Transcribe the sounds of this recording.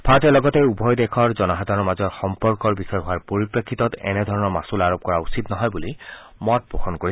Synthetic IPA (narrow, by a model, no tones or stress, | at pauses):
bʰʱatɛlɔɡɔteubʱɔjdekʰɔɹzɔnɔɦadʱaɹɔɹmazɔɹxɔmpɔɹkɔɹbisɔjɔɦʊaɹpoɹipɹekʰːitɔtɛ̰nɛdʱɔɹɔnɔmasulaɹop̚kɔɹausitnɔɦɔjbuli | mɔt̚bɹoxɔnkoɹi